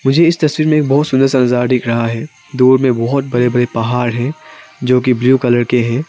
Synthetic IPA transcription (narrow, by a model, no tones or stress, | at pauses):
mʊd͡ʒʱeɪst̪ɐswiːɾmẽeːk̚bɔɦʊt̪sʊ̃nd̪əɾsanʊzaːɾɖɪkʰɾɐɦaɦɛː | d̪uːɾmẽbɔɦʊt̪̚bɐɽebɐɽepɐɦaːɾɦɛ̃d͡ʒoːk̬ibljuːkɐləɾkeɦɛ̃ː